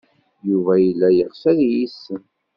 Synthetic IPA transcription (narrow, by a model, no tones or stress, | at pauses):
juvæjəlːæjəʁfæðjisːən